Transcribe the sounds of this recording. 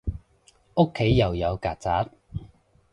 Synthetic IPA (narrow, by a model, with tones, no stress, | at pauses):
o˥kʰːe˨˥jːɐ˨˩wjɐ˨˧wkaː˨t̚t͡saː˨˥t̚